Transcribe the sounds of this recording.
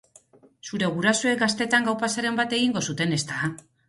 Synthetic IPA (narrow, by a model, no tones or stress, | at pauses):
suɾe̞ɣ̞uɾasuekɡast̪e̞t̪aŋɡawpasaɾe̞mbat̪e̞ɣiŋɡo̞sut̪e̞ne̞st̪a